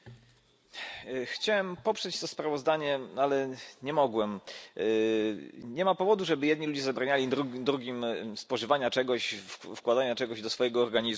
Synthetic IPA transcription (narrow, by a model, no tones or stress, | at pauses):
xt͡ɕawɛmpɔpʂɛt͡ɕt̪ɔspɾavɔzd̪aɲɛalɛɲɛmɔɡwɛm | ɲɛmapɔvɔd̪uʐɛbɘjɛd̪ɲilud͡ʑɛzabɾaɲalʲiɾud̪ɾuɡʲimspɔʐɘvaɲat͡ʂɛɡɔɕfkwad̪aɲat͡ʂɛɡɔʑd̪ɔsfɔjɛɡɔːɾɡaɲiz